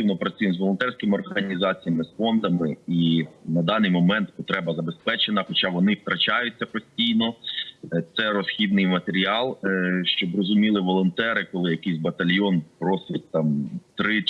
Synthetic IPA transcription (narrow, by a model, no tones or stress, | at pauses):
ɪwnɔpɾɐt͡sʲujmzʋɔlˠɔnt̪ɛrsʲkɪmɪɔrɦɐnʲizɑt͡sʲijɐmɪsfɔnd̪ɐmɪinɐd̪ɑnɪjmɔmɛnt̪pɔt̪ɾɛbɐzɐbespɛt͡ʃenɐxɔt͡ʃɑʋɔnɪwt̪ɾɐt͡ʃɑjʊt͡sʲːɐpɔsʲtʲijnɔ | t̪sɛɾɔsxʲid̪nɪjmɐt̪eɾʲiɑlˠʃt͡ʃɔbrɔzʊmʲilˠɪʋɔlˠɔnt̪ɛɾɪkɔlˠɪjɐkisʲbɐt̪ɐlʲjɔnpɾɔsɪt̚ʲt̪ɑmt̪ɾɪ